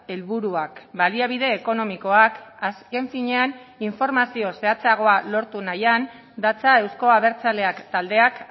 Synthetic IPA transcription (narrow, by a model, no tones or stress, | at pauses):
e̞lβuɾuakbaliaβ̞iðe̞ːko̞no̞miko̞akaske̞ɱfiɲe̞an | iɱfo̞ɾmasio̞se̞at͡seaɣ̞o̞alo̞ɾt̪unajan | d̪at͡sae̞wsko̞aβ̞e̞ɾt͡sale̞akt̪ald̪e̞ak